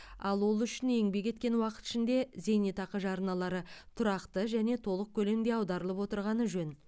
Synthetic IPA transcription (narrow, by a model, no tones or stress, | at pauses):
ɑlˠwo̞lˠʏʃɪne̞ŋbe̞kʲʰe̞t̪kʲe̞nwɑqə̥t̪ɪ̥ʃɪnd̪e̞ze̞jnet̪ɑqəʒɑɾənɑlˠɑɾət̪ʰʊɾɑqt̪əʒæne̞t̪ʰo̞lˠəq̚kʲʰɵle̞md̪e̞ɑwd̪ɑɾəlˠəpwo̞t̪əɾʁɑnəʒɵn